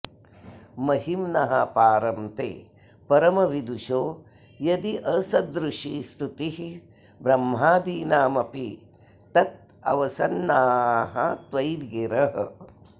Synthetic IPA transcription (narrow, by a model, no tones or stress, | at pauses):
mɐhimnɐɦɐ̰paːɾɐmt̪ḛː | pɐɾɐmɐʋid̪uʃoː | jɐd̪iʔɐsɐd̪ɾuʂist̪ut̪ihi | bɾɐmɦaːd̪iːnaːmɐpi | t̪ɐt̪̚ | ɐ̰ʋɐsɐnːaːɦɐ̰t̪ʋɐjd̪ɡeɾɐɦ